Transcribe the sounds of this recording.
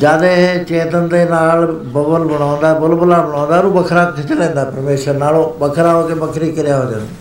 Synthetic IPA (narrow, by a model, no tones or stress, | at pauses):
aːɗeɦet͡ɕẽːt̪ənɪ̆d̪enaːɭbɐbəlbɐɽ̤̃aːʋə̃n̆d̪aɦɛbʊlbʊlabɐɽ̃aʋə̃nd̪aɾũbɐkʰɾaːkk̪ʰɪt͡ɕəlẽːnd̪aːpɐɾmeːʃənaːɭobɐkʰɾaot̪k̪ebɐkʰɾikɐɾijaɦõd͡ʑə̰n